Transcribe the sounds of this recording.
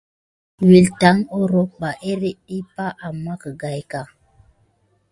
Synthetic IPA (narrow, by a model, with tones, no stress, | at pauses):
wi˨lta˨˦ŋo˦ɾo˦ba˨ʔe˦ɾe˦i˦pa˦ʔa˨mːa˦kə˨ɡa˨jka˨